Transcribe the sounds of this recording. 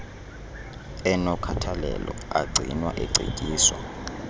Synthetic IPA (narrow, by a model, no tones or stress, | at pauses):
ɛnɔkʰatʰalɛ̰lɔaɡ͡ǀʱinwaʔeǀʱḭkʼiːswa̰